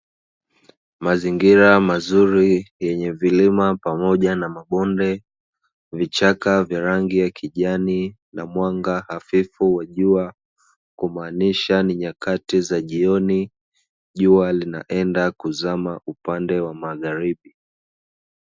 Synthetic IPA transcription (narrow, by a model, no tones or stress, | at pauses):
maziŋɡiɾamazuɾijɛɲɛvilimapamɔʄanamaɓɔndɛ | vit͡ʃakavjaɾaŋɡijakʰiʄani | namwaŋɡahafifuwaʄua | kumaːniʃaniɲakatizaʄiɔni | ʄualina̰ʔɛndakuzamaʔupandɛwamaɣaɾiɓi